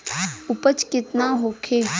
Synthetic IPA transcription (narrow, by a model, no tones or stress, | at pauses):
ʊpət͡ʃkɪt̪naɦokʰeː